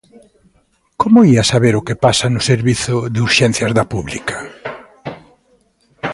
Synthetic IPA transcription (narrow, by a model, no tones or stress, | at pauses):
komʊiasaβeɾʊkɪpasanʊseɾβiθʊðuɾʃɛn̟θjɐzðɐpuβlḭkʰɐ̥